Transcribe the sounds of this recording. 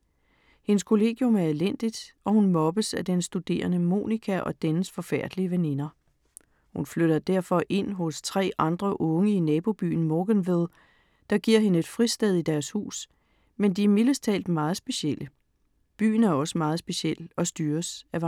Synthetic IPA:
he̝nəskʰo̝le̝̰ːɡ̥jɔ̽mæɐelen̰d̥id̥ʔɒ̽hunmɒ̽b̥əsæd̥ensd̥ud̥e̝̰ːɐnəmo̝̰ːnikʰæʔɒ̽d̥enəsfɒ̽fæɐ̰d̥liəʋene̝nɐ | hunfløɾ̥ɐd̥æɐ̰fɒ̽ʔe̝n̰ɦɔ̽st͡sʰʁɛ̰ːʔɑ̈nd̥ʁɐʔɔ̽ŋəinɛːb̥o̝b̥y̰ːn̩mɒːɡ̥enʋeð̞ˠ | d̥ɑ̈ɡ̥iɐ̰ɦe̝nəe̝d̥fʁisd̥eð̞ˠid̥æɐshṵːs | mend̥iæɐmiləst͡sʰɛ̰ːld̥mɑ̈ːð̞̩ˠsb̥e̝ɕel̰ə | b̥y̰ːn̩æɐɒ̽səmɑ̈ːð̞̩ˠsb̥e̝ɕel̰ɒ̽sd̥yːɐsæʋɑ

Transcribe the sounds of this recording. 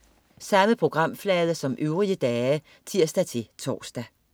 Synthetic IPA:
sɑ̈məpʰʁo̝ɡ̥ʁɑ̈m̰flɛːð̞ˠɐsɒ̽mʔøʊʁiəd̥ɛːə | t͡sʰiɐ̰sd̥æt͡sʰe̝t͡sʰɒ̰ːsd̥æ

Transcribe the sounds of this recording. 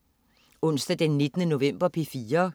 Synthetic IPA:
ɔ̽n̰sd̥æd̥enːe̝d̥nəno̝ʋem̰b̥ɐpʰe̝fiːɐ

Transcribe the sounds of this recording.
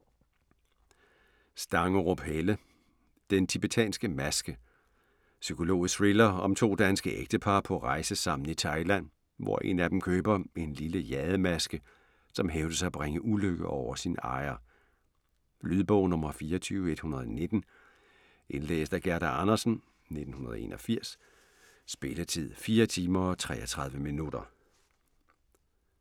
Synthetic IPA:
sd̥ɑ̈ŋəʁob̥helə | d̥ent͡sʰib̥et͡sʰɛ̰ːnsɡ̥əmæsɡ̥ə | sykʰo̝lo̝̰ːsʁilɐɒ̽mt͡sʰo̝̰ːd̥ænsɡ̥əʔeɡ̥d̥əpʰɑ̈ːpʰɒ̽ʁɑ̈ɪsəsɑ̈m̰n̩it͡sʰɑ̈ɪlæn̰ | ʋɒ̰ʔe̝̰ːnæd̥em̩kʰøːb̥ɐe̝nliləjɛðˠəmæsɡ̥ə | sɒ̽mɦeʊd̥əsɑæb̥ʁeŋəʔuløɡ̥əʔɒʊɐsinɑ̈ɪɐ | lyðˠb̥ɔʊ̰nɔ̽mɐfiːɐɒt͡sʰyːʊe̝d̥hunɐð̞ˠɒne̝d̥n̩ | ʔe̝nl̥ḛːsd̥æɡ̥æɐd̥æɑnɐsn̩ | ne̝d̥n̩hunɐð̞ˠḛːnʔɒfiɐ̰sː | b̥e̝lət͡sʰið̰ˠfiːɐt͡sʰiːmɐɒ̽t͡sʰʁɛ̰ːɒt͡sʰʁɑ̈ðˠʋəminud̥ɐ

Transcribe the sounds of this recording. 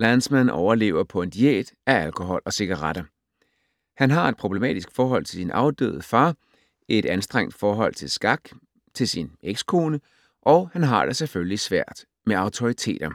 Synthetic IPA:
lænsmænɒʊɐle̝̰ːʊɐpʰɒ̽e̝nd̥iḛːd̥æælkʰo̝ɦɒ̽lɒ̽se̝ɡ̥ɑʁɑd̥ɐ | hænɦɑ̈e̝d̥̚pʰʁo̝b̥lemɛ̰ːd̥isɡ̥fɒːɦɒ̽l̰t͡sʰe̝lsinʔɑ̈ʊd̥ø̰ːð̩ˠfɑ̈ː | e̝d̥ænsd̥ʁeŋ̰d̥fɒːɦɒ̽l̰t͡sʰe̝lsɡ̥ɑɡ̥ | t͡sʰe̝lsineɡ̥skʰo̝ːnə | ʔɒ̽ʊhænɦɑ̈d̥eseføllisʋæɐ̰d̥ | meɑ̈ʊt͡sʰo̝ʁit͡sʰe̝̰ːd̥ɐ

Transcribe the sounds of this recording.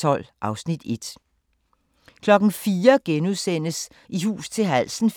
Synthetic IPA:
ɒ̽l̰ʔɑ̈ʊsnid̥e̝d̥ | kʰlɒ̽ɡ̥n̩fiːɐɡ̥enuðˠsen̰əs | iɦṵːst͡sʰe̝lɦæl̰sn̩

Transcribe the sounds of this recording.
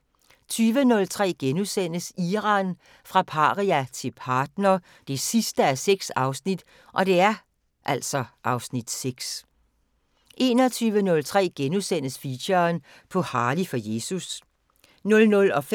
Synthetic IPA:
t͡sʰyːʋənɔ̽lt͡sʰʁɛ̰ːɡ̥enusen̰əsiːʁɑ̈n | fʁɑ̈pʰɑ̈ːʁiæt͡sʰe̝lpʰɑ̈ːd̥̚nɐː | d̥e̝sisd̥əæseɡ̥sɑ̈ʊsnid̥ | ʔɒ̽d̥e̝æɐ | ʔæl̰sɒ̽ʔɑ̈ʊsnid̥seɡ̥s | ʔe̝̰ːnɒ̽t͡sʰyːʋənɔ̽lt͡sʰʁɛ̰ːɡ̥enusen̰əsfiɕɐːn | pʰɒ̽hɑ̈ːlifɒ̽je̝ːsus | nɔ̽lnɔ̽lɒ̽f

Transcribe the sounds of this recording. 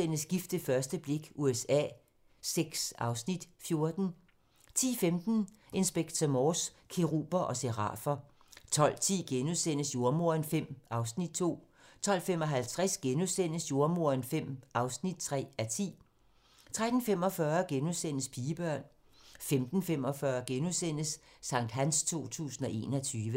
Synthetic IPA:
en̰əsɡ̥ifd̥əfɶɐsd̥əb̥le̝ɡ̥uesɛ̰ː | seɡ̥sɑ̈ʊsnid̥fjo̝ɐd̥n̩ | t͡sʰḭːfemd̥n̩ | ʔe̝nsb̥eɡ̥̚t͡sʰæmɔs | kʰe̝ʁṵːb̥ɐʔɒ̽seʁɑ̰̈fɐ | t͡sʰɒ̽l̰t͡sʰḭːɡ̥enuðˠsen̰əsjo̝ɐmo̝ɐ̰nfem̰ɑ̈ʊsnid̥̚t͡sʰo̝̰ː | t͡sʰɒ̽l̰femɒ̽ɦælt͡sʰʁæsɡ̥enuðˠsen̰əsjo̝ɐmo̝ɐ̰nfem̰ɑ̈ʊsnid̥̚t͡sʰʁɛ̰ːæt͡sʰḭː | t͡sʰʁad̥n̩fem̰ɒ̽fɶːɐɡ̥enuðˠsen̰əspʰiːəb̥ɶɐ̰n | femd̥n̩fem̰ɒ̽fɶɐɡ̥enuðˠsen̰əsːɑ̈ŋ̰d̥ɦænst͡sʰo̝̰ːt͡sʰṵːsn̩ɒ̽ʔe̝ːnɒt͡sʰyːʋə

